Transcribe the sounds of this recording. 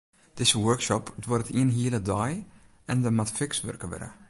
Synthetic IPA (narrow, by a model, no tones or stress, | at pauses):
d̥ɪzəwøɹksɔpdworətiənɦiələdɔj | ɛndəmatfɪksʋø̰rkəʋɛ̰ɾə̰